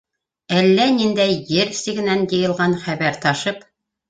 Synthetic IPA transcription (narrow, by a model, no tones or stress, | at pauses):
ælːænind̪æjːɘɾsɘɡɘ̆nænjɤ̆jɤ̆lˠʁɑnχæβæɾt̪ɑʃɤp